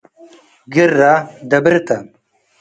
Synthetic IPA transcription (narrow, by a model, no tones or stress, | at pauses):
ɡiɾːad̪ɐbiɾt̪a